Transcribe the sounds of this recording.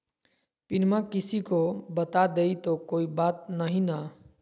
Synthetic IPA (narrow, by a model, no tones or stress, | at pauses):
pɪnmakɪsikobət̪ad̪eit̪okoːibaːt̪̚nəɦĩna